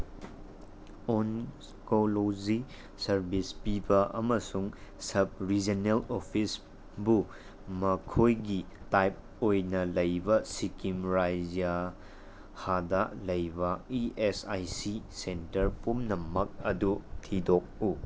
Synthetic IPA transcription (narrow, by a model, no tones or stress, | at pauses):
on | kolozi | sɐɾbispibɐʔɐmɐsuŋsɐb̚ɾid͡ʒɐnelopʰis | bu | mɐkʰojɡitajp̚ | ojnɐlɐjbɐsikimɾajd͡ʒija | hadɐlɐjbɐiesajsisentɐɾpumnɐmɐk̚ɐdutʰidok̚u